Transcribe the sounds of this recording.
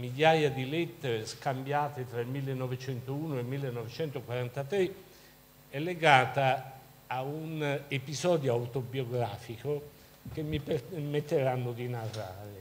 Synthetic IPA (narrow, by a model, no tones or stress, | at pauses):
miʎːaːjad̪ilɛt̪ːeɾeskambjaːt̪et̪ɾailmilːenːɔvet͡ʃɛnt̪ouːnoelmːilːenːɔvet͡ʃɛnt̪okwaɾant̪at̪ɾe | ɛlːeɡaːt̪aː | unepizɔːd̪joawt̪objoɡɾaːfiko | k̟emːipmet̪ːeɾanːʊd̪inarːaːɾɪ